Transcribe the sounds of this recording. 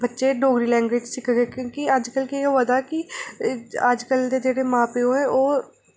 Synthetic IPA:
bətːʃeːɖoːɡɾiːlɛ̃ːŋɡweːd͡ʒsɪkʰɡeːkjõːkiəd͡ʒkəlkiɦəd̪aːkɪ | əd͡ʒkəld̪eːd͡ʒeːɽeːmãːpeːoːɛ̃ːʔoː

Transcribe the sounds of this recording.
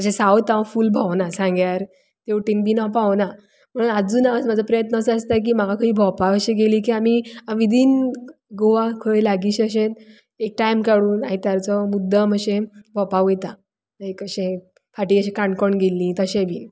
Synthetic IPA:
t̪əɕẽsawt̪ːaʋafuːlbʱawnasãŋɡjaɾ | t̪eʈinbiːnapawna | m̤əɽ̃uːnad͡zuːnaʋasmad͡zʱapɾəjət̪nəsəst̪ak̬iːmaɡakʰəiːbʱɔpaəɕeɡeliːk̬iːamiaʋid̪ʱiːnɡoʋakʰəjlaɡiːɕəɕet̪ | ek̚ʈajmkaɽuːnait̪jaɾt͡sɔmud̪ʱːəməɕẽbʱɔpaʋet̪a | ekəɕẽ | fʰaʈiːəɕẽkãɳkɔɳɡelːĩt̪əɕẽbʱiːn

